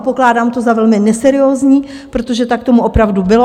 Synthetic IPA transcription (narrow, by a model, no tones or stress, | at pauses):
poklaːdaːmt̪o̞zavɛlmɪnɛsɛɾɪoːzɲiː | pɾot̪o̞ʒɛt̪ak̚t̪o̞muʔo̞pɾavdubɪlo